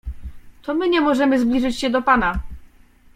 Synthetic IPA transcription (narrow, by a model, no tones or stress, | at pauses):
t̪ɔmɘɲɛmɔʐɛmɘzblʲiʐɘt͡ɕɕɛd̪ɔpana